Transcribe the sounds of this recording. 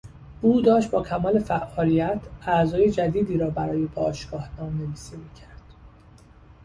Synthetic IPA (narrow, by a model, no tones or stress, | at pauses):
uːd̪ɒːʃt̪̚bɒːcʰæmɒːle̞fæʔɒːlijæt̪ʰæzɒːje̞d͡ʒæd̪iːd̪iːɾɒːbæɾɒːjebɒːʃɡ̥ɒːhnɒːmneviːsimiːcʰæɾd̪̥